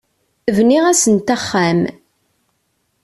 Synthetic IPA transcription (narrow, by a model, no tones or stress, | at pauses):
vniʁæsənt̪æχːæm